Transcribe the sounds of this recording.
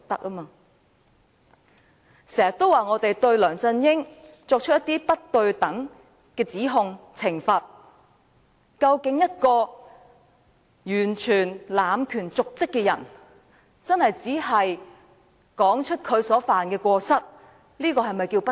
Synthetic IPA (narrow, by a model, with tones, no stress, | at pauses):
t̪ɐ˥k̚ʔɐ˥maː˧ | sɛː˨˩jɐ˨t̪o˥waː˨˩ŋɔː˨˧t̪e˨jt̪ɵ˧ɥlœː˨˩ŋt͡sɐ˧njɪ˥ŋ | t͡ʃɔː˧k̚t͡ʃʰt̚jɐ˥t̪iː˥pɐ˥t̚t̪ɵ˧ɥt̪ɐ˨˥ŋ | kɛː˧t͡siː˨˥ɦʊ˧ŋt͡sʰɪ˨˩ŋfɐ˨t̚ | kɐ˧wkɪ˨˥ŋjɐ˥t̚kɔː˧ | jyː˨˩nt͡ʃʰyː˨˩nlaː˨˧mkʰyː˨˩nt͡sʊ˨k̚t͡sɪ˥kːɛː˧jɐ̰˨˩n | t͡sɐ˥nhɐ˨jt͡siː˨˥ɦɐ˨j | kɔː˨˥ŋt͡ʃʰɵ˥t̚kʰɵ˨˧ɥsɔː˨˥faː˨nkɛː˧kʷɔː˧sɐ˥t̚ | liː˥kɔː˧hɐ˨jmɐ˨jkiː˧wpɐ˥